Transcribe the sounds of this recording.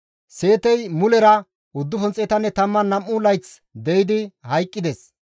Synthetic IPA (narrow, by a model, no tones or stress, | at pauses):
se̞ːt̪ɛjmʊlɛɾɐ | ʊd̪ːʊfɔnt͡sʼeːt̪ɐnːɛt̪ɐmːɐnːɐmːʊlɐjt͡s | d̪ɛjɪd̪ɪhɐjkʼːɪd̪ɛs